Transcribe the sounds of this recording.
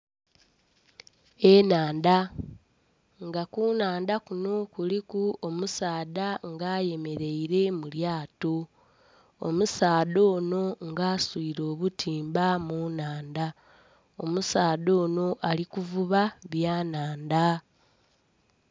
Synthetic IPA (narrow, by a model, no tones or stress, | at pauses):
enaːnda | ŋɡakunaːnd̪akuno̞kulikuomusaːdaŋɡaːje̞me̞ɾe̞iɾe̞muljaːto̞ | o̰musaːdo̞ːno̞ŋɡaːswiɾo̞ːβutʰiːmbamunaːnda | o̞̰musaːdo̞ːno̞ʔalikuvuβaβjaːnaːnda